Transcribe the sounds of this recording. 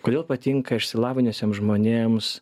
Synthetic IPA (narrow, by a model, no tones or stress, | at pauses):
koːd̪ʲeːlˠpɐt̪ʲɪŋkɐɪʃʲsʲɪlˠɑːʋʲɪnʲosʲemʒmoːnʲeːms